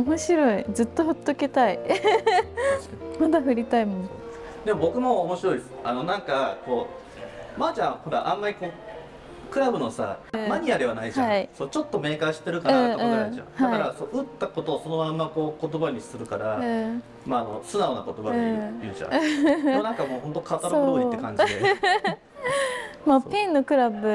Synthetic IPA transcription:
omo̞ɕiɾo̞id͡zɨt̪ːo̞ɸɯ̟t̪ːoket̪ai | ɕmad̪aɸɯ̟ɾʲit̪aimõn | d̪e̞mo̞bo̞kɯ̟mo̞ːmo̞ɕiɾo̞isɨ̥ano̞nãŋkako̞ː | mat͡ɕãɰ̃ho̞ɾa̰ʔãmːaɾʲiko̞ː | kɯ̟ɾabɯ̟nosa̰maɲ̟iaɾeβ̞anaid͡ʑhã̰ãiso̞ːt͡ɕo̞t̪ːo̞me̞ːkaɕi̥t̪e̞ɾɯ̟kanaẽaaʑã̰haaɾasoʔɯ̟t̪ːako̞t̪oːso̞no̞mãmːako̞ːkot̪o̞baɲ̟isɨɾɯ̟kaɾa | maːno̞̰sɨnaona̰ko̞t̪obaɲijɯ̟ːʑã̰monãŋkamoːhont̪̬o̞kʰat̪aɾooːit̪ːekãɲd͡ʑd̪e | mapẽnːokɯ̟ɾabɯ̟

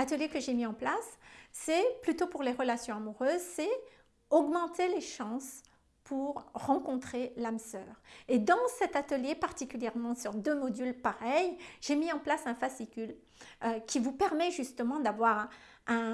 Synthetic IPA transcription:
at̪əljekəʒemiɑ̃plasːɛplyt̪opuʁleʁəlasjɔ̃amuʁøːzsɛ | ɔɡmɑ̃t̪eleʃɑ̃s | pʰuʁːɑ̃kɔ̃t̪χelamsœːʁed̪ɑ̃sɛt̪at̪əljepaʁt̪ikʲyljɛʁmɑ̃syʁd̪ømɔd̪ylpaʁɛjʒ̥emiɑ̃plasɛ̃fasikʲyl | økʲivupɛʁmɛʒyst̪əmɑ̃d̪avwaʁ | ɛ̃

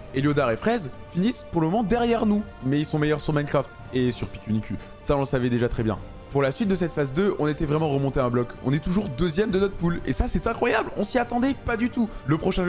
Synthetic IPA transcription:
elod̪aʁefχɛzfinispuʁləmɔmɑ̃d̪ɛʁjɛʁnumɛilsɔ̃mejœʁsyʁmankχaft̪ | esyʁpikʲynikʲy | saɔ̃lsavɛd̪eʒat̪χɛbjɛ̰̃ | puʁlasɥit̪̚d̪əsɛt̪fazd̪øʔɔ̃net̪ɛvʁɛmɑ̃ʁəmɔ̃t̪eɛ̃blɔkɔ̰̃nɛt̪uʒuʁd̪øzjɛmd̪ənɔt̪χpulḛsasɛt̪ɛ̃kχwajablɔ̃siat̪ɑ̃d̪ɛpad̪yt̪uləpχɔʃɛ̃

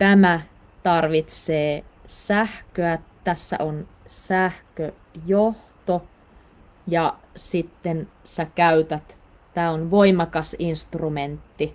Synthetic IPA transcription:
t̪æmæ | t̪ɑrʋit̪seːsæhkøættæsːæ̰ʔonsæhkø | joht̪o | jɑsit̪ːen | sækæyt̪æt̪ | t̪æːonʋoimɑkɑsinst̪rument̪ːi

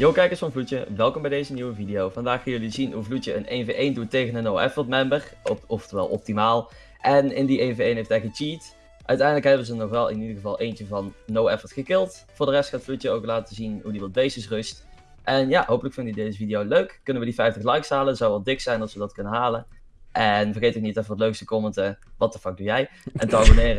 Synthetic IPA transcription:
jokɛjkəɹsfɑnvlutəʋɛlˠkɔmbɛjdejzəniwəvidijowvɑndaːχːaːjɵlizinɦuvlutəə̰nejnveʔejndutːejɣənənowɛ̰fətmɛmbərɔftəʋɛ̰lˠʔɔp̚timaːlˠ | ʔɛnɪndiʔejnveejnɦejftɛjkət͡ʃiːt | ʔœ̰ɥtɛjndələkɦɛbənzənɔxʋɛlˠɪ̰nidəɣəvɑlˠʔejnt͡ʃəvɑnːowɛfəɹtxəkɪlˠtfʊːɹdərɛstxatflutəowklaːtətəzinɦudiʋɑt̚bejsɪsrɵst | ʔɛnjaɦowpələkfɪndəədejzəvidijowløɥkːɵnənʋədifɛjftəxlɑjksɦaːləz̥ɑwʋɑlˠdɪksɛjnɑsʋədɑtkɵnənɦaːlən | ʔɛnvərɣejtoknitɛfəʋətløɥkstəkoməntəʋɑtəfɑk̚dujɛjʔɛntəɑbonɪːrə

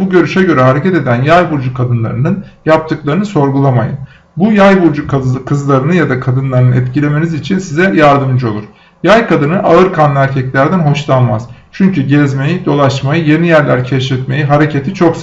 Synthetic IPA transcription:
buɟø̞ɾyʃɛɟø̞ɾɛɦaɾe̞cʰɛt̪e̞d̪ænjajbuɾd͡ʒukʰad̪ɯnlˠa̰ɾɯnɯnjap̚t̪ʰɯklˠaɾɯnɯso̞ɾɡulˠama̰jɯ̰n | bujajbuɾd͡ʒukʰkʰɯzlˠaɾɯnɯjad̪akʰad̪ɯnlˠaɾɯnɯɛt̪cilʲe̞me̞nizit͡ʃʰinsizɛjaɾd̪ɯmd͡ʒo̞lˠuɾ̥ | jajkʰad̪ɯnɯʔaɯɾkʰanlˠɯæɾcʰɛclʲæɾd̪ænɦo̞ʃlˠanmaz̥t͡ʃʰyɲcyɟɛzme̞jid̪o̞lˠaʃmajɯje̞nijæɾlʲæɾcʰɛʃɾɛt̪me̞jiɦaɾe̞cʰe̞t̪ʰit͡ʃʰo̞ks

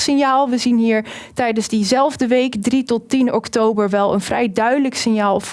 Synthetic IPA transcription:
sɪnjaːlˠʋəzinɦiːɹtɛjdənzdizɛlˠvdəʋejkdritɔtinɔktowbəɹʋɛlˠə̰nvrɛjdœɥdələksɪnjaːlˠv

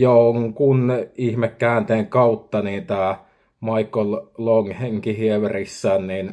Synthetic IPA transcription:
joŋkunihmekːæːnt̪eːŋkɑut̪ːɑniːt̪æ | mɑikːolloŋheŋkihieʋerisːæːnnin

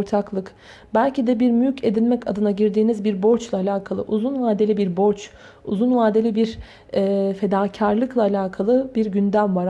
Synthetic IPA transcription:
ɾt̪ʰaklˠɯk | bælʲcid̪ɛbiɾmyjycʰe̞d̪ilʲmɛca̰d̪ɯnaɟiɾd̪iːnizbiɾbo̞ɾt͡ʃlˠaːlʲaːkʰalˠɯ̰ʔuzunvaːd̪e̞lʲibiɾbo̞ɾt͡ʃ | ṵzunvaːd̪e̞lʲibiɾ | ɛːfe̞d̪aːcʰaɾlˠɯklˠaːlʲaːkʰalˠɯbiɾɟynd̪æmvaɾ

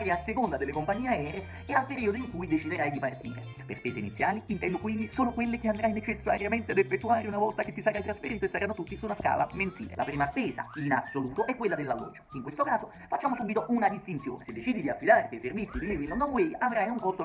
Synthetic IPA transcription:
ɾjiasːekond̪ad̪elːekompaɲːiːeaɛːɾe | ealpeɾiːod̪oiŋkujd̪et͡ʃid̪eɾajd̪ipart̪ḭːɾḛ | perspeːseinit̪sːjaːliint̪ɛnd̪okwind̪isoːnokwelːekeand̪ɾajnet͡ʃesːa̰ɾjament̪ead̪efet̪ːuaːɾeunavɔlt̪aket̪ːisaɾalt̪ɾasfeɾiːt̪oesaɾanːot̪ut̪ːisunaska̰ːla̰ment̪sḭːlḛla̰pɾiːmaspeːza̰inasoluːt̪oʔɛkːwelːad̪elːalːɔ̰ːd͡ʒːo̥iŋkwest̪okaːzo | fat͡ʃːaːmosubit̪oʔunad̪ist̪int̪sjo̰ːnesed̪ːet͡ʃiːd̪id̪iafːid̪aːɾt̪iajservit̪sːid̪imiːvinond̪okwejʔavɾajuŋkost̪o

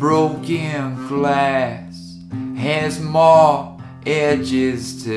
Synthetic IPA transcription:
b̥ɹoʊkɨ̃nɡlæs | hɨzmɔ | ʔɛd͡ʒɪz̥tʰɨ

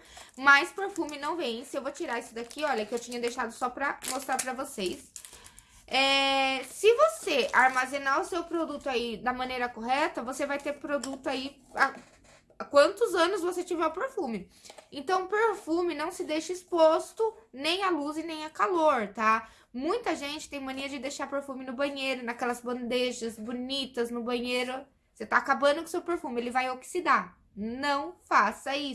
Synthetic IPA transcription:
mɐjspeɾfũmɪnɐ̃w̃vẽj̃sɪewvot͡ʃiɾaisʊd̪akiɔʎɐkɪewt͡ʃĩɲɐd̪ejʃad̪ʊsɔpɾɐmost̪ɾaɾpɾɐvoses | ɛsɪvoseʔaɾmazẽnaɾʊsewpɾod̪ut̪ʊaid̪ɐmɐ̃nejɾɐkoɦɛt̪ɐvosevajt̪eɾpɾod̪ut̪ʊai | a | akwɐ̃nt̪ʊzɐ̃nʊsvoset͡ʃivɛʊpeɾfũmɪ | ẽnt̪ɐ̃w̃peɾfũmɪnɐ̃w̃sɪd̪ejʃɐispost̪ʊnẽj̃ɐluzɪnẽj̃ɐkaloɾt̪a | mũj̃t̪ɐʒẽnt͡ʃɪ̥t̪ẽj̃mɐ̃niɐd͡ʒɪd̪ejʃaɾpeɾfũmɪnʊbɐ̃ɲ̃ejɾʊnɐkɛlɐzbɐ̃nd̪eʒɐzbunit̪ɐznʊbɐ̃ɲejɾʊ | set̪aːkabɐ̃nd̪ʊkʊ̃sewpeɾfũmɪelɪvajoksid̪a | nɐ̃w̃fasɐi

